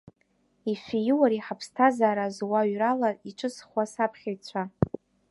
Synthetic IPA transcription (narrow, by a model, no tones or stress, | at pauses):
ifijɪwaɾiħapʰstʰazaːɾazwaɥralaiʈ͡ʂʰʼɨsχwasapʰχʲajt͡sʷʰa